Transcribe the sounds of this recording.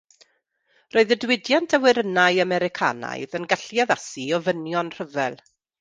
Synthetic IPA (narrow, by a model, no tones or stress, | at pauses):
roːɨðədwɪdjantʰəwɪɾənajamɛɾɪkʰa̰na̰jðənɡaɬjaðasiɔvənjɔnr̥əvɛlˠ